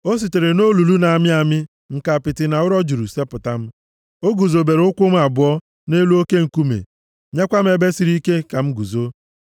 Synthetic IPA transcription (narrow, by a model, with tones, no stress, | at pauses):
o˦s̬i˨te˨ɾe˨no˦lu˨lu˦na˨mɪ˦a˨mɪ˦ | ŋ̩˨ka˨pɪ˨tɪ˨na˨ʊ˦ɾɔ˦d͡ʒu˨ɾu˨se˦pʊ˨ta˦m̩˦ | o˦ɡu˨zo˨be˨ɾʊ˦kʷʊ˦m̩˦a˨bʊ˨˦ɔ˦ | ne˦lu˦o˦ke˦ŋ̩˨ku˦mḛ˨ | ɲe˦kʷa˦m̩˦e˨be˦si˨ɾi˦ke˦ka˨m̩˦ɡu˨zo˦